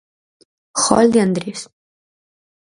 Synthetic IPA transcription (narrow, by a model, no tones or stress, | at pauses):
xɔ̰ld̪iand̪ɾis